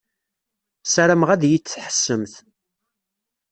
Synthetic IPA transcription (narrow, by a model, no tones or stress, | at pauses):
sæɾæmʁæðjit͡sːħə̥sːəmθ